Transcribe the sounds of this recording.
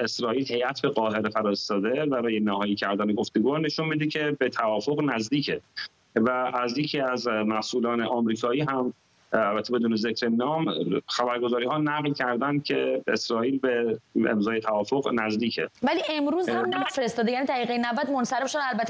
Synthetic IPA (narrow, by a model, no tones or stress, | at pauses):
e̞sɾɒːʔiːlhe̞jʔæt̪ʰbe̞ɣɒːɦe̞ɾefæɾɒːest̪ɒːd̪e̞bæɾɒːjenæhɒːjicʰæɾd̪æneɡo̞ft̪oɡuːhne̞ʃunmid̪icʰe̞bet̪ʰævɒːfo̞ɣnæzd̪iːcʰe | vææzjecʰiːæzmæsʔuːlɒːneʔɒːmɾiːkʰɒːiːɦæm | ælbæt̪ʰːebe̞d̪uːnezecʰɾenɒːmxæbæɾɡo̞zɒːɾiːhɒːnæɣlcʰæɾd̪ænd̪̥̚cʰeesɾɒːiːlbeḛmzɒːjet̪ʰævɒːfo̞ɣnæzd̪iːcʰḛvæliʔemɾuːzhæmnfeɾest̪ɒːd̪ejæːnid̪ʰæɾiːɣejenævæt̪monsæɾebʃod̪ælbæt̪ʰːe